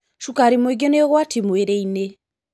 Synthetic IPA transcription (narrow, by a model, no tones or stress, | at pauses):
ʃukaɾimoiɡeneɔɣwatimweɾeine